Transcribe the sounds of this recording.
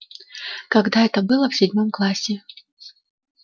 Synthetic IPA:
kaɡd̪aɛt̪ɐbɨlˠɐwsʲɪdʲmɔmklˠasʲɪ

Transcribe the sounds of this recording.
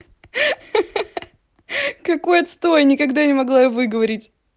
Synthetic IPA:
kɐko̞jɐt̪st̪ojɐnʲɪkɐɡd̪anʲɪmɐɡlˠajovɨɡəvɐɾʲɪtʲ

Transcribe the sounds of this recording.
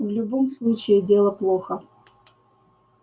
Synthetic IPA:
vlʲʊbomslˠut͡ɕɪɪdʲe̞lˠəplˠoxə

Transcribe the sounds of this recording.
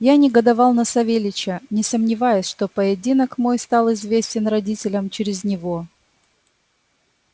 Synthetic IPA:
janʲɪɡəd̪ɐvɑlˠnəsɐvʲelʲɪt͡ɕənʲɪsəmnʲɪvajʊsʲʂt̪o̞pəjɪdʲinəkmo̞jst̪ɑlˠɪzvʲesʲtʲɪnrɐdʲitʲɪlʲəmt͡ɕɪɾʲɪznʲɪvo̞

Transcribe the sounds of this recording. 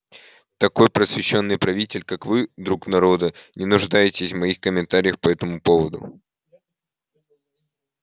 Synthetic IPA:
t̪ɐko̞jpɾəsvʲɪɕːo̞nːɨjpɾɐvʲitʲɪlʲkakvɨd̪ɾuknɐɾo̞d̪ənʲɪnʊʐd̪ajɪtʲɪsʲvmɐixkəmʲɪnt̪aɾʲɪjəxpɐɛt̪əmʊpo̞vəd̪ʊ̰

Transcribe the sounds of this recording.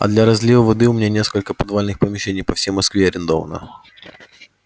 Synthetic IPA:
ɐ̰d̪lʲɐɾɐzʲlʲivəvɐd̪ɨʊmʲnʲanʲeskəlʲkəpɐd̪valʲnɨxpəmʲɪɕːenʲɪjpɐfsʲejmɐskvʲeɐɾʲɪnd̪ovə̰nə̰

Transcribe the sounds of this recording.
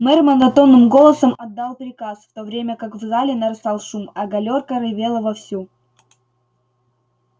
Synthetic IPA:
mɛrmɐnd̪ɐt̪o̞nːɨmɡo̞lˠəsəmɐd̪ːalˠpɾʲɪkasft̪o̞vɾʲemʲəkakvzalʲɪnɐɾɨsalˠʂumɐɡɐlʲo̞rkəɾɨvʲe̞lˠəvɐfsʲu

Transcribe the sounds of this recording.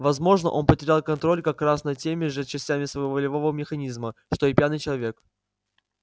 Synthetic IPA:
vɐzmo̞ʐnə̰ʔo̞npətʲɪɾʲalˠkɐnt̪ɾo̞lʲkɐkrasnɐtʲemʲɪʐɨt͡ɕɪsʲtʲamʲɪsvəjvovəlʲɪvo̞vəmʲɪxɐnʲizməʂt̪o̞ipʲjanɨjt͡ɕɪlˠɐvʲe̞k

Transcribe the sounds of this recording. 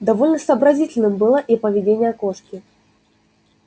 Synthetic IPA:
d̪ɐvolʲnəsɐːbɾɐzʲitʲɪlʲnɨmbɨlˠəʔipəvʲɪdʲenʲɪjəkoʂkʲɪ

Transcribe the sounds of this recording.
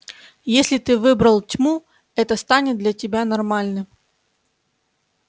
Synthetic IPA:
jesʲlʲɪt̪ɨvɨbɾəlˠtʲmu | ɛt̪əst̪anʲɪt̪̚d̪lʲɐtʲɪbʲanɐrmalʲnɨ

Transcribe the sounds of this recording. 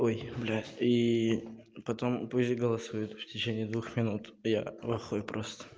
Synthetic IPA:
ojblʲai | pɐt̪o̞mpusʲtʲɡəlˠɐsujʊt̪ftʲɪt͡ɕenʲɪɪd̪vuxmʲɪnut̪ja̰vɐxojʊpɾʔost̪ə̥

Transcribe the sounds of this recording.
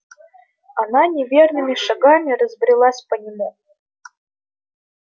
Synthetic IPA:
ananʲɪvʲernɨmʲɪʂaɡamʲiɾəzbɾʲilˠasʲpənʲɪmu

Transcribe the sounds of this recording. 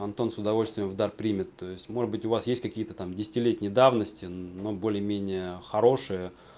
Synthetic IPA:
ɐnt̪o̞nsʊd̪ɐvo̞lʲst̪vʲɪjəmvd̪arpɾʲimʲɪt̪ːo̞jɪsʲtʲmo̞ʐɨd̪bɨtʲʊvasjesʲtʲkɐkʲijət̪ət̪amdʲɪsʲɪ̥tʲɪlʲetʲnʲɪjəd̪avnəsʲtʲɪno̞bo̞lʲɪjəmʲenʲɪjəxɐɾo̞ʂɨjə

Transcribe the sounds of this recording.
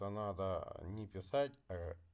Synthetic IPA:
ənad̪ənʲɪpʲɪsatʲɐ

